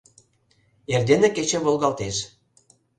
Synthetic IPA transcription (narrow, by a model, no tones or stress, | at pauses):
erd̪enĕket͡ɕĕβolɣɑlt̪eʃ